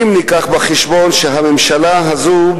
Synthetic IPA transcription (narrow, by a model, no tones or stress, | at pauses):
mnikaχbaχeʃbonʃeɦamemʃalaɦazu